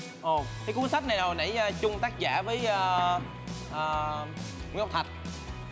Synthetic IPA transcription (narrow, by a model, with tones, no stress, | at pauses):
ʔo˨˩kaː˨˦jku˦ənsa˦˥k̚na˨˩jzo˨˩jna̰˧˩jəː˧t͡ɕʊ˧ŋ͡mt̪aː˦˥k̚za̰ː˧˩vəː˨˦jəː˧ | ʔəː˨˩ | ww̚t̪ʰa˨˩t̚